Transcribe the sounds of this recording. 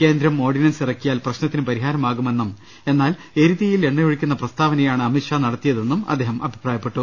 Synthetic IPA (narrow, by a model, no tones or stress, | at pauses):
ke̞ːnd̪ɾɐmo̞ːrɖinɐnsirɐkʲːijaːlprɐɕnɐt̪ːinɨpɐɾiɦaːɾɐmaːɣume̞nːum | e̞nːaːl | e̞ɾiðjɐjile̞ɳːɐjoɻikʲːunːɐprɐst̪ʰaːʋɐnɐjaːɳɨɐmiʈʂaːnɐɽɐt̪ːijɐðe̞nːumɐ̰d̪ːeːɦɐmʔɐbʱi̥praːjɐpːe̞ʈːu